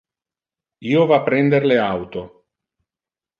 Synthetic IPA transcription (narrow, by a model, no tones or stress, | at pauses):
iːovapɾɛnd̪eɾleawt̪o